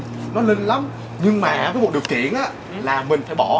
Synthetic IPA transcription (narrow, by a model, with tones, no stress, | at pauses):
nɔ˨˦li˧nla˨˦m | ɲɨ˧ŋmaː˨˩vəː˨˦jmu˨˩˨ɗəwk̪ḭ˧˩˨ənʔaː˧˦˥ | laː˨˩mï˨˩ŋ̟faː˧˩jɓɔ˧˩